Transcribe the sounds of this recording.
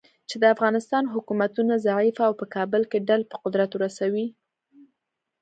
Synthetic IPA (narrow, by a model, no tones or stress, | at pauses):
t͡ʃed̪əafɣɑnɪst̪ɑnɦʊkumat̪unazaʕifaːwpəkɑbəlkeɖalpə̥qʊd̪ɾat̪wɾasawi